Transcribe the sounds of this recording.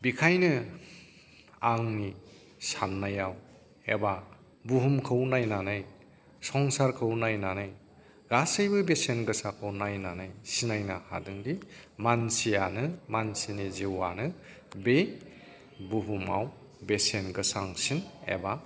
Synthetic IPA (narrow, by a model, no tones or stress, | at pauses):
bikʰajnɯ | aŋni | sannːajaw | eba | buɦumkʰɯwnajnanaj | sɔŋsaɾkʰɯwnajnanɯj | ɡasɯjbɯbesenɡɯsakʰɯwnajnanajsinajnaha̰dɯŋdimansijanɯmansiniziwanɯ | be | buɦuma̰w | besenɡɯsaŋsinḛba